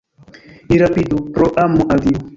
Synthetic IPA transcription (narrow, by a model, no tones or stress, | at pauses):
iɾapid̪upɾɔʔamuʔaɡiu